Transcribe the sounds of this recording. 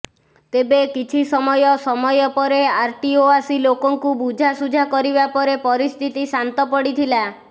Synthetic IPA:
t̪ebekit͡ʃʰisɔmɔjɔsɔmɔjɔpɔɾeaɾʈioasilokɔŋkubud͡ʒʱasud͡ʒʱakɔɾibapɔɾepɔɾist̪ʰit̪isant̪ɔpɔɽit̪ʰila

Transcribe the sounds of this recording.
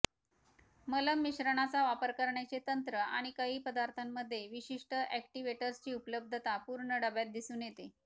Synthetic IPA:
mələmːiɕɾəɳ̃at͡saʋapəɾkəɾɳjat͡set̪ənt̪ɾəa̰ɽ̃ikəɦiːpəd̪aɾt̪ʰamːəd̪ʱːjeʋiɕiʂʈəʔæk̚ʈiʋeʈəɾst͡ɕiːupələb̚d̪ʱət̪apuɾɳəɖəbjat̪̚d̪isuːnjet̪e

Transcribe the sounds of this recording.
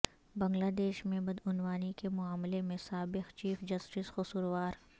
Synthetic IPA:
bɐ̃ŋɡlaːd̪eːʃmẽbɐd̪ʊnwaːnikemʊaːmlemẽsaːbɪqt͡ʃiːfd͡ʒɐsʈɪsxʊsuɾwaːɾ

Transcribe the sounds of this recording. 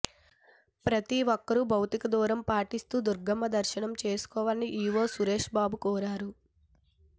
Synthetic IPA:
pɾɐt̪iʋɔkːɐɾubʱɐwt̪ikɐd̪uːɾɐmpaːʈist̪uːd̪uɾɡɐmːɐd̪ɐɾʃɐɳɐmt͡ʃe̞ːsu̥kɔːʋaːɐniʔiːʋoːsuɾe̞ːʂbaːbukɔːɾaːɾu

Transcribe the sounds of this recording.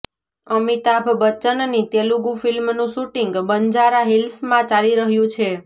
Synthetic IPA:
əmit̪abʱbət͡ʃənnit̪eluɡũfilmnũʃuʈiŋɡbənd͡ʒaɾaɦilsmãt͡ʃaliɾəɦjũt͡ʃʰe

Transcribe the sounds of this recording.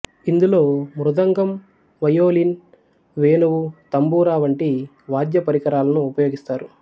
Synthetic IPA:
ind̪ulo̞ːmɾud̪ɐŋɡɐm | ʋɐjoːlin | ʋeːnuʋut̪ɐmbuːɾaːʋɐɳʈi | ʋaːd̪jɐpɐɾikɐɾaːlɐnuːpɐjoːɡist̪aːɾu

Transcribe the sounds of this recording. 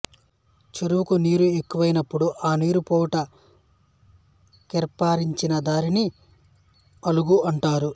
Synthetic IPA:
t͡ʃeɾuʋukuniːɾue̞kːuʋɐjinɐpːuɽuʔaːniːɾupɔːʈɐ | kɛɾpːaːɾiɲt͡ʃinɐd̪aːɾini | ɐluɡuɐɳʈaːɾu

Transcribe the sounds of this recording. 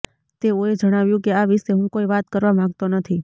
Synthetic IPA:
t̪eoed͡ʒəɽ̃aʋjũkeaʋɪʃeɦũkoiʋat̪kəɾʋamãɡt̪onət̪ʰi

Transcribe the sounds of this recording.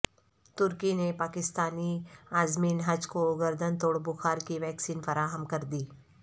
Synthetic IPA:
t̪ʊɾkinepaːkɪst̪aːniaːzmiːnɦɐd͡ʒkoɡɐɾd̪ənt̪oːɽbʊxaːɾkiʋɛːksiːnfɐɾaːɦəmkɐɾd̪iː

